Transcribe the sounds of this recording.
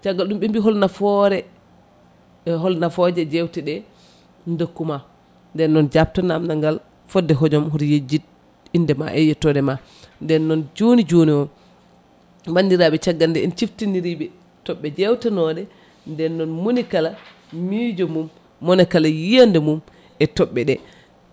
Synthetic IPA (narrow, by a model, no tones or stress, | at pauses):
t͡ʃaɡːalɗumɓimbiɦɔlnafɔɾɛ | ɦɔlnafɔd͡ʒɛd͡ʒɛwtɛɗɛ | ndokːuma | ndɛnːɔnd͡ʒap̚tanamnaŋɡal | fɔdːɛɦɔd͡ʒɔmɦɔɾjed͡ʒit | indɛma̰ʔɛjɛtɔdɛma | ndɛnːɔnd͡ʒonid͡ʒoniwɔ | bandiɾabɛt͡ʃaɡːandɛɛnt͡ʃiftindiɾibɛ | tɔɓːɛd͡ʒɛwtanɔdɛ | ndɛnːɔnmunikala | mid͡ʒɔmumː | ɔnɛkalajijandɛmum | ɛtɔɓːɛɗɛ